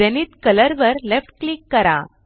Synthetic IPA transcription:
aniːt̪kələɾʋəɾlefʈ̚klikːəɾa̰

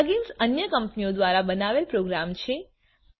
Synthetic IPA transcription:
ɡinsənjəkəmpniod̪ʋaɾabənaʋelpɾoɡɾamt͡ʃʰe

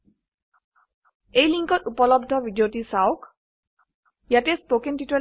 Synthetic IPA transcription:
ejliŋkɔtupɔlɔbdʱɔbʱidjotisawk | jatespokenʈitɔ

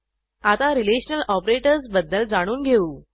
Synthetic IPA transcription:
at̪aɾileɕnəlɔpɾeʈəɾsbəd̪ːəld͡zaɽ̃uːnɡʱeuː

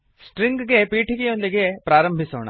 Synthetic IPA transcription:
sʈɾiŋɡɡe̞piːʈʰiɡejond̪iɡe̞pɾaːɾɐmbʱiso̰ːɳɐ̰

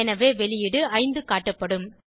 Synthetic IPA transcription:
ɛnɐʋeːʋɛɭɪjɪɽɯɐɪnd̪ɯkaːʈːɐpːɐɽɯm

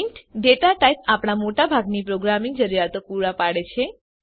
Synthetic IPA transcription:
ɳʈɖeʈaʈajp̚apɽ̃amoʈabʱaɡnipɾoɡɾamiŋɡd͡ʒəɾijat̪opuɽapaɽet͡ʃʰe

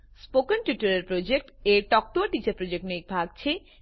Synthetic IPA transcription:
spokenʈuʈoɾeɾpɾod͡ʑek̚ʈeɾʈɔk̚t̪oʈit͡ɕaɾpɾod͡ʑek̚ʈnoik̚bʱaɡ̚t͡ɕʰe

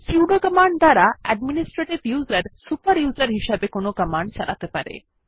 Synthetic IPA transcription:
siwɖokəmaɳɖ̚d̪aɾaɛɖ̚minisʈɾeʈibjuzaɾsupaɾjuzaɾɦiʃabekonokəmaɳɖ̚t͡ɕalat̪epa̰ɾḛ

